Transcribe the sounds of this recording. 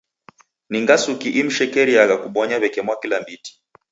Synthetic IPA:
niŋɡasukiʔim̩ʃɛkɛɾiaɣakuɓɔɲaβɛkɛmwakilambiti̥

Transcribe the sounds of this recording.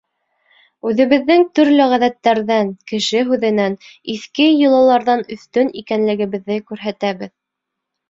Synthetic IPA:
ʉðɘ̆βɘ̆ðːɘŋt̪ɵɾlɘʁæðæt̪ːæɾðæŋkɘ̆ʃɘɦʉðɘ̆næniθkɘjɤ̆lˠɑlˠɑɾðɑnɵ̆θt̪ɵnikænlɘ̆ɡɘ̆βɘ̆ðːɘkʉɾɦæt̪æβɘð

